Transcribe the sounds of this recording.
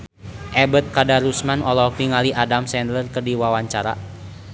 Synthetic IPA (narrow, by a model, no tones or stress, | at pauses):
ʔɛbət̪̚kadaɾusmanɔlɔk̪iŋaliʔadamsɛndlərkərdiwawaɲt͡ʃaɾa̰